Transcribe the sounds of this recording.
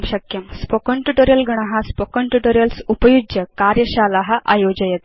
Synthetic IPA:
bɕɐkjɐmspokoɳʈjuʈoɾijɐlɡɐɳ̃ɐɦaspokɐɳʈuʈoɾjɐlsupɐjud͡ʒjɐkaːɾjɐɕaːlaɦɐʔa̰jod͡ʑɐjɐt̪

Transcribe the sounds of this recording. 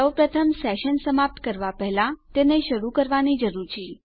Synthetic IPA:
əwpɾət̪ʰəmsɛʃənsəmap̚t̪kəɾʋapɛɦlãt̪eneʃəɾukəɾʋanid͡ʒəɾuɾt͡ʃʰi

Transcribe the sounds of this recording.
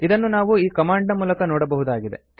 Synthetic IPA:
id̪ɐnːunaːʋuiːkɐmaːɳɖnɐmuːlɐkɐnɔːɽɐbɐɦud̪aːɡid̪e̞̰

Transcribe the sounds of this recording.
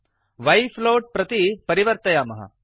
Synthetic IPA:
ʋɐjfloːʈ̚pɾɐt̪ipɐɾiʋəɾt̪ɐjaːmɐɦa̰

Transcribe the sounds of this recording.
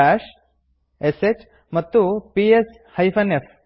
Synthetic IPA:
aːʃ | eset͡ɕ | mɐt̪ːupies | hɐjpʰɐnefʰ

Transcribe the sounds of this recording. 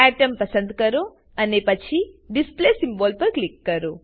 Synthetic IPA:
æʈɐmpɐsənd̪kɐɾo | ɐnepɐt͡ʃʰiɖisplesimboːlpɐɾklikːɐɾo

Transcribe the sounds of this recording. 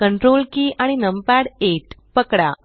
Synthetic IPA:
kəɳʈɾolkiaɽ̃inəmpaɽeʈpəkɽa̰

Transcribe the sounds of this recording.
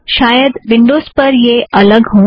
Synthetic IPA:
ʃaːjəd̪ʋɪ̃ɳɖoːzpɐɾjeʔɐləɡɦõː

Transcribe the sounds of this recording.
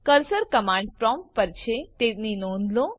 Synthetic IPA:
kəɾsəɾkəmãɳɖ̚pɾɔmppəɾt͡ʃʰet̪etninõnd̪lõ

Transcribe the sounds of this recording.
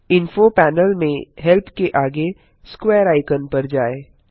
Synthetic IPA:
ɪ̃nfopɛːnəlmẽɦɛlpʰkeʔaːɡe | skweːɾaːɪkənpɐɾd͡ʒaːeː

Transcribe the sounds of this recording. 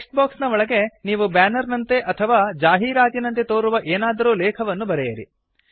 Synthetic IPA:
ksʈbaːksnɐʋɔɭɐɡe̞niːʋubaːnɐɾnɐnt̪eʔɐt̪ʰɐʋaːd͡ʒaːɦiːɾaːt̪inɐnt̪et̪oːɾuʋɐʔeːnaːd̪ɐɾuːlɛːkʰɐʋɐnːubɐɾɛjɐɾḭ

